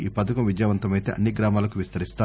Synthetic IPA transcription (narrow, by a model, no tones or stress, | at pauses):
iːpɐt̪ɐkɐmʋid͡ʒjaːʋɐnt̪ɐmɐjt̪ḛːʔɐnːiɡɾaːmaːlɐkuʋist̪ɐɾist̪aː